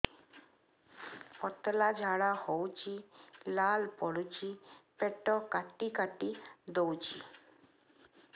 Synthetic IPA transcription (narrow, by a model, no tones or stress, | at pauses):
ɔt̪lad͡ʒʱaɽahowt͡ʃʰilalpɔɽut͡ʃʰipeʈɔkaʈikaʈid̪owt͡ʃʰi